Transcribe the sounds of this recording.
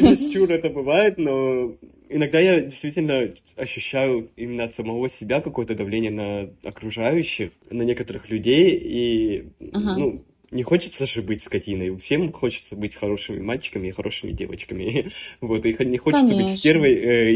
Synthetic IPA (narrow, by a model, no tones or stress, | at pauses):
jɪsʲt͡ɕurɛt̪əbɨvajɪt̪no̞ | ɪnɐɡ̚d̪ajadʲɪjst̪vʲitʲɪlʲnə | ɐɕːʉɕːæjʊimʲɪnːəɐt̪səmɐvo̞sʲɪbʲakɐko̞jət̪əd̪ɐvlʲenʲɪjənəɐkɾʊʐajʉɕːɪxnənʲe̞kət̪əɾɨxlʲʉdʲeji | nu | nʲɪxo̞t͡ɕɪ̥t̪səʐɨbɨtʲskɐtʲinəjfsʲe̞mxo̞t͡ɕɪ̥t̪səbɨtʲxɐɾo̞ʂɨmʲɪ̰malʲt͡ɕɪ̥kəmʲɪːxɐɾʔo̞ʂɨmʲɪ̰dʲe̞və̰t͡ɕkəmʲɪvo̞t̪ɨxnʲɪxot͡ɕɪt̪səbɨtʲspʲervəjə